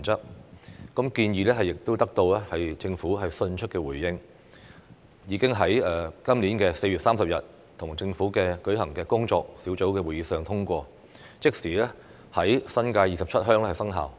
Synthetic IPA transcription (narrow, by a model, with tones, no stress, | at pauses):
nt͡sɐ˥k̚kɐ˨˥mkiː˧njiː˨˩lɛː˥ɦɐ˨jːɪ˨k̚t̪o˥wt̪ɐ˥k̚t̪o˧wlɛː˥hɐ˨jt͡sɪ˧ŋfuː˨˥ɦɐ˨jsɵ˧nt͡ʃʰɵ˥t̚kɛː˧wuː˨˩jːɪ˥ŋ | jiː˨˧kɪ˥ŋɦɐ˨˥jɛː˨kɐ˥mliː˨˥nkɛː˧se˧jɥy˨t̚saː˥msɐ˨p̚jɐ˨t̚ | t̪ʰʊ˨˩ŋt͡sɪ˧ŋfuː˨˥kɛː˧kɵ˨˥ɥɦɐ˨˩ŋkɛː˧kʊ˥ŋt͡ʃɔː˧k̚siː˨˥wt͡so˨˥wkɛː˧wu˨˩jiː˨˥sœː˨ŋt̪ʰʊ˥ŋkʷɔː˧ | t͡sɪ˥k̚siː˨˩lɛː˥ | hɐ˨˥jsɐ˥nkaː˧jiː˨sɐ˨p̚t͡ʃʰɐ˥t̚ɦœː˥ŋlɛː˥hɐ˨˩sɐ˥ŋɦa̰ː˨w